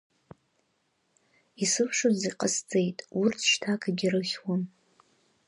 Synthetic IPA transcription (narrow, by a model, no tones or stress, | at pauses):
isɨpʰʂoziqʼast͡sʼejtʼurtʰʃtʰakʰaɡʲirɨχʲwan